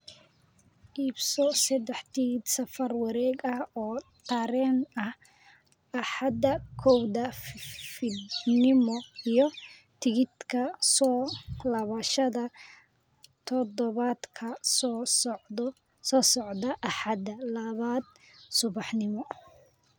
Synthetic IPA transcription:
ʔiːbsɔsɐd̪ɛħt̪iɣd̪sɐfɐrwɑɾɛːɡɐhɔːt̪ʰɐɾɛːnɐh | ɐħɑd̪ɐkʰɔwd̪ɐfɪd̪nɪmɔijɔ | t̪ʰɪɣɪd̪kʰɐsɔlɐβɐʃɐðɐ | t̪ʰɔd̪ɔβad̪kʰɐ | sɔːsɔʕd̪ɐʔɐħɑd̪ɐlɐβaːd̪̚ | sʊβɑħnɪmɔ

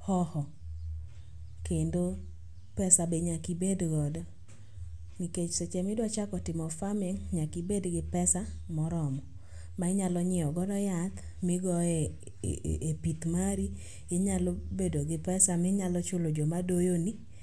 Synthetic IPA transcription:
hɔhɔ | kendo | pɛsabeɲakibedɡɔdɔ | niket͡ʃset͡ʃɛmɪdwat͡ʃakɔtɪmɔfameŋɲakibedɡɪpɛsamɔɾɔmɔ | maɪɲalɔɲɪɔɡɔdɔjat̪ | mɪɡɔɛ̰ | epit̪maɾi | eɲalobedoɡɪpɛsamɪɲalɔt͡ʃolod͡ʒɔmadojoni

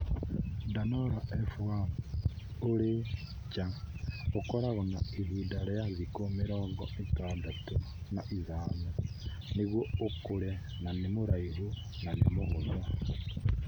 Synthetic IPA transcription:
danoɾaʔefuam | uli | t͡ʃaukolaɣona̰ihidalejazikomiɾoŋɡoitaːdatu | naʔizaːne | niβwoukule | nanimuɾaiβu | nanḭmuɣuza

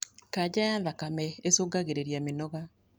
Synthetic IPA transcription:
kad͡ʒajaðakamɛesoɡaɣeɾeɾjamenɔɣa

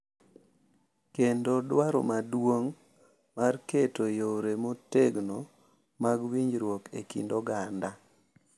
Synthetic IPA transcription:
kendodwaɾo̰madwoŋ | marketojoɾemoteɡno | maɡwiɲd͡ʒɾwokḛkḭndoɡanda

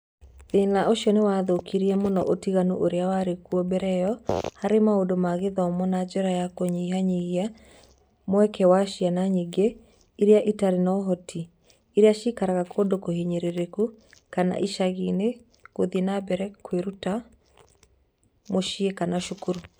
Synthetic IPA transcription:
ðenaoʃiɔnewaðokʰiɾiɛmonɔʔotiɣanoʔoɾeawaɾekuɔbɛɾɛjɔhaɾemaodomaɣeðɔmɔnad͡ʒɔɾajakoɲiɦaɲiɣja | mwɛkɛwaʃianaɲiɡe | iɾeaʔitaɾenaɦɔtʰi | iɾeaʃikaɾaɣakʰodokoheɲeɾeɾekukana̰ʔiʃaɣine | ɣoðienabɛɾɛkweɾuta | moʃiekanaʃukuɾu

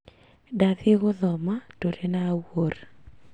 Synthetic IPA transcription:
daðɪɣʊðɔmatodenawor

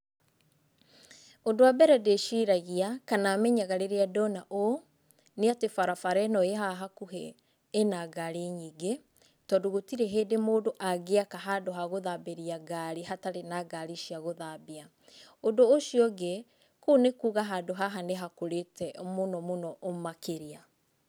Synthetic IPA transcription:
ondoabɛɾɛdeʃiɾaɣiakanamɛɲaɣaɾeɾeadɔnaʔo | neatefaɾafaɾɛnɔeɦaɦakuɦḛː | naɡaɾeɲiːɡe | tɔdoɣotiɾɛɦeːdemoːdoʔaɣeakaɦadoɦaɣoðabeɾiaɡaɾiɦataɾenaɡaɾiʃiaɣoðabea | ondoːʃiɔɡe | kunekuːɣaɦadoɦaɦaneɦakoɾetɛmonɔmonɔʔomakeɾia

